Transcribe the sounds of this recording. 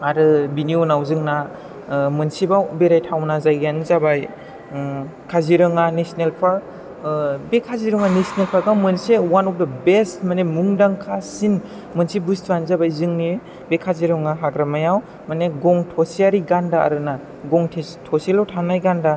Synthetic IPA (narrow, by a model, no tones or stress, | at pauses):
aɾɯbiniunawzɯŋna | mɯnsibabeɾajtʰawnazajɡanzabaj | kʰaziɾɯŋanesnelpʰa | bekʰaziɾɯŋanesnelpʰaɡawmɯnsewanɔp̚dabestmanemuŋdaŋkʰasin | mɯnsibustʰanzabajzɯŋni | bekʰaziɾɯŋaɦaɡɾamajaw | maneɡɔŋtʰɔsiaɾiɡandaa̰ɾɯna | ɡɔŋtʰetʰɔselawtʰanːajɡanda